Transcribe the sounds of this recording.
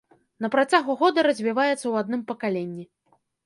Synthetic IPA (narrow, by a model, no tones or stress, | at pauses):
nɐpɾat͡sʲaɣuɣɔd̪ɐɾɐzʲvʲivajɛt̪sːɐwad̪̚nɨmpɐkalʲenʲːi